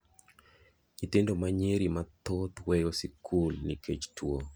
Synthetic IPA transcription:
ɲit̪endomaɲeɾimat̪ot̪wejosikʰulniket͡ʃtʰwo

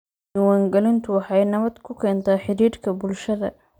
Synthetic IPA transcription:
ɪwaːŋɡɐlɪnt̪ʰʊwɑħɑjnɐβɐd̪kʰʊkʰɛːnt̪ʰaːħɪɾiːrkʰɐbʊlʃɐðɐ̰

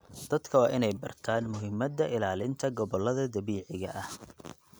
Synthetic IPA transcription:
d̪̥ɐd̪kʰɐwɑːʔɪnɛjbɐ̰rt̪ʰaːnmʊɦɪmːɐd̪ɐʔɪlaːlɪnt̪ʰɐɡɔβɔlːɐðɐd̪ɐβiːʕɪɣɐ̰ʔɐh

